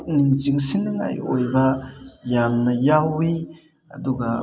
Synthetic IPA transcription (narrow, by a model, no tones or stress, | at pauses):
k̚nint͡siŋsinŋa̰jʔojbajamnɐjawi | ʔɐd̪uɡa